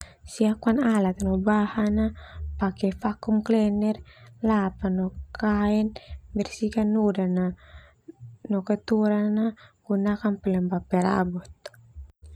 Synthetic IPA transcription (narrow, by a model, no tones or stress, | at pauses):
siakuanalat̪anɔbahanapakɛfakumklɛnɛrlapanɔkaɛnbɛrsikanːudana | nɔkat̪uɾanːaɡ̥unakanpɛlɛmbapɛɾa̰bɔt̪̚